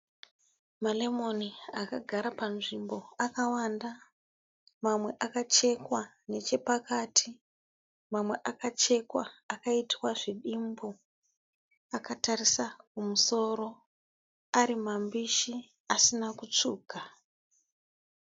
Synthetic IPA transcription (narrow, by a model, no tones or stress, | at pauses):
male̞mo̞niakaɡʱaɾapanʐimbo̞akawanda | mamwe̞ʔakat͡ʃe̞kwa | ne̞t͡ʃe̞pakaːtʰi | mamwe̞ʔakat͡ʃe̞kwa̰ːkaitwaʐiɗimbo | akatarisakumuso̞ɾo̞ | aɾimambiʃi | asinakut͡ʂuːɡʱa